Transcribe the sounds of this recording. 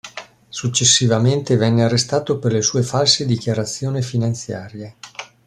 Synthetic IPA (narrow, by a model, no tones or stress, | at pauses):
sut͡ʃːesːivament̪evɛnːearːest̪aːt̪operlesuːefalsed̪ikjaɾat̪sːjoːnifinant̪sja̰ːɾje